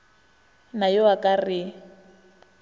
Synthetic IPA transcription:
najɔwakʼarɪ

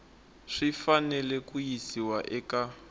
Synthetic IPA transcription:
ʂifanɛlɛkujisiwaʔɛka

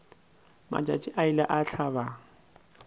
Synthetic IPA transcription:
ma̰t͡ʃʼa̰t͡ʃʼɪʔaɪlaʔaɬʰaba

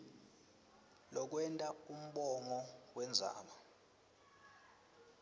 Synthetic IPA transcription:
lɔk̬wɛntʼaum̩ɓɔŋɔwɛnd͡zʱa̰ːma

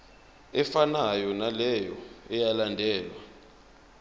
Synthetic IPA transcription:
ɛfanajɔnalɛjɔɛjalandʱɛːlwa

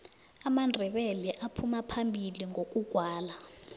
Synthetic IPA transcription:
amandʱɛɓɛlɛʔapʰumapʰambʱiliŋok̬ʼuɡ̥ʱwaːla

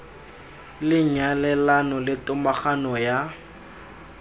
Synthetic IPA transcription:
lɪɲalɛlanɔlɪtʼʊmaχanɔja

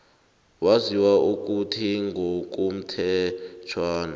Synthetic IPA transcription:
waziwaʔuk̬ʼutʰiŋɡʱok̬ʼum̩tʰɛt͡ʃʰwaːna

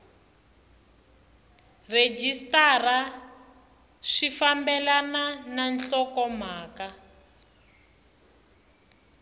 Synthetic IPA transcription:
red͡ʒistara | ʂifambɛlanananɬɔkɔm̤aːka

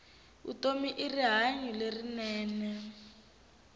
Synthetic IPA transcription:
ṵtomiʔiriɦaɲulerinɛːnɛ

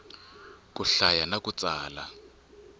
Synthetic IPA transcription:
k̬ʼuɬajanakut͡saːla̰

